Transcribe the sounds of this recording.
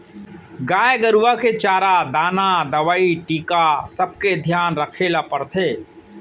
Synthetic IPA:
ɡaːjɡəɾʋaket͡ʃaːɾad̪aːnad̪ɐʋaːiʈiːkasəb̚ked̪ʱjaːnɾəkʰelapɐɾt̪ʰeː

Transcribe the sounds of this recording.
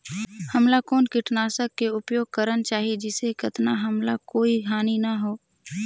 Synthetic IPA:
həmlakoːnkɪʈnaːsəkːeʊpjoːɡ̚kəɾənt͡ʃaːɦied͡ʒɪsekɐt̪naɦəmlakoːiɦaːninɐɦoː

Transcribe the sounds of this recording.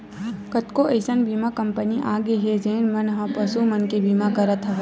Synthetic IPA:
kət̪koəɪsənbʱiːmakɐmpəniʔaːɡeɦezeːnmɐnɦɐ̃pɐsumɐnkebʱiːmakɐɾət̪ɦə

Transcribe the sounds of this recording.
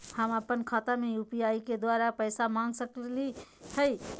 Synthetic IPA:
həməpːənkʰat̪ameupijaiked̪waɾapəɪsamãŋɡsəklit̪ʰəj

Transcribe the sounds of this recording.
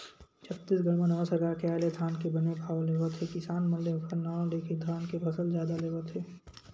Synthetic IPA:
t͡ʃʰɐpt̪ːɪsɡəɾmənəʋəsɐɡaːɾkeaːled̪ʱaːnkebɐnebʱaːʋleːʋət̪ʰekɪsaːnməlːeʊkʰəlnaːõleːkʰed̪ʱaːnkebʰɐsəlzjaːd̪aleːʋət̪ʰɦeː

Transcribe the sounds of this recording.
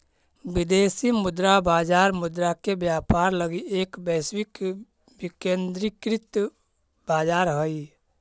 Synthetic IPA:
bid̪esimud̪ɾabaːd͡ʒaːɾmʊd̪ɾakebjaːpaɾləɡieːkbɛswik | bikend̪ɾikɾit̪ | baːd͡ʒaːɾɦəj

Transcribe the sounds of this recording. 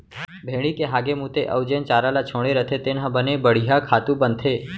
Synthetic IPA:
bʱeɽ̃ikeɦaɡemũt̪eʔəʊd͡ʒent͡ʃaɾalat͡ʃʰõɽeɾət̪ʰet̪enɦãbənebəɽ̤iɦakʰat̪ũbənt̪ʰe

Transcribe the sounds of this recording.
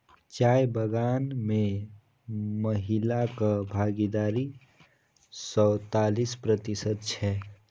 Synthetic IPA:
t͡ʃajbəɡaːnme | məɦilakabʱaɡid̪aːɾi | sɔwt̪alispɾət̪isət̪̚t͡ʃʰɛ

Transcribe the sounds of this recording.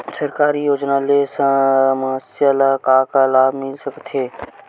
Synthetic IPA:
səɾkaːɾijoːd͡ʒnalesə̃məɦəsjalakaːkalaːbmɪlsəkt̪ʰɦeː

